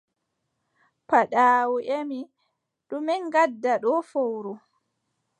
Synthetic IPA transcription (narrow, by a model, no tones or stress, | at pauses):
paɗaːwuʔemi | ɗuminɡadːaɗɔfowɾu